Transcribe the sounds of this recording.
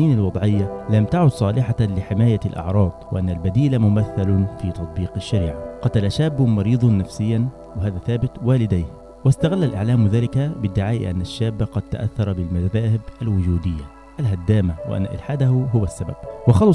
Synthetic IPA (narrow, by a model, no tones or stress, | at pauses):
iːnalwɑd̪ˤʕɪjːalamt̪aʕʊd̪sˤɑːlɪħalɪħɪmaːjalʔɑ̰ʕɾˤɑːd̪ˤwɪ̰ʔanːalbad̪iːlamʊmaθːalʊnfiːt̪ɑt̪ˤbiːqɪʃːaɾḭːʕaqɑt̪alaʃaːbːʊmɑɾiːd̪ˤɑnːafsɪjːan | wɪɦaːðæθaːbɪt̪waːlɪd̪ajh | wɪst̪aɣalːalʔɪ̰ʕlaːmwɪðaːlɪkabɪd̪ːɪʕaːʔḭʔa̰nːaʃːaːbːaqɑd̪̚t̪a̰ʔaθːɑɾˤɑbɪlmaðaːhɪbʔalwʊd͡ʒuːd̪ɪjːa | ʔalɦad̪ːaːmawɪ̰ʔa̰nːa̰ʔɪ̰lħaːd̪ahʊɦʊwasːaba̰b̥̚wɪxɑl